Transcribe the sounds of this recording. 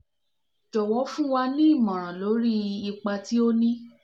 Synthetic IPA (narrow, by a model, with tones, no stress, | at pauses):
d͡ʒɔ˨wɔ˨˦fũ˦wa˧nĩ˦i˦˨mɔ̃˨ɾ̃ã˨lo˨˦ɾi˦i˧k͡pa˧ti˨˦o˦nĩ˦